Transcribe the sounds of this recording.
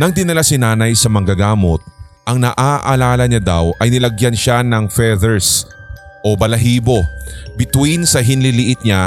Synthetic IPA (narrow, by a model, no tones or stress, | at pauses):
nɐŋd̪ɪnɐlasɪnaːnɐjsɐmɐŋɡɐɡaːmo̞t̪̚ | ʔɐŋnɐʔaːʔɐlaːlɐɲad̪awʔɐjnɪlɐɡjanʃanɐŋfɛðɛɹs | ʔo̞bɐlɐɦiːbo̞bɪt̪winsɐɦɪnlɪlɪʔɪt̪̚ɲa